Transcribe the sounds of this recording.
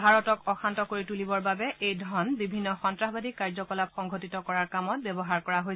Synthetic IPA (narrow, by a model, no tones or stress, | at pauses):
bʱaɹɔtɔkɔxʰantɔkoɹitulibɔɹbabɛʔejdʱɔnbibʱinːɔxɔntɹaɦbadikaɹzɔkɔlap̚xɔŋɡʱotitɔkɔɹaɹkamɔt̚bjɛbɔɦaɹkɔɹaɦoj